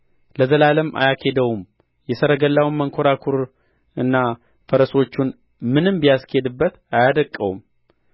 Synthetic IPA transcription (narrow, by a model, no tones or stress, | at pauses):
ləzəlaləmʔa̰jakʰe̞d̪əwum | jɛsəɾəɡəlːawunməŋkʰo̞ɾakʰuɾ | ɨnːa | fəɾəso̞t͡ʃːun | mɨnɨmbijasked̪ɨbːət̪ajad̪əkʼːəwṵm